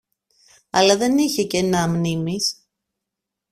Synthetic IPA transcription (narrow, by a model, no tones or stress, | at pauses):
ɐ̰lɐðe̞niçe̞ce̞nɐmnimis